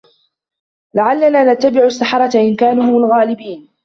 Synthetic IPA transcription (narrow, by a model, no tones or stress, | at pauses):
laʕalːanaːnat̪ːabɪʕʊasːaħɑɾˤɑt̪aʔɪnkaːnʊhʊmalɣaːlɪbiːn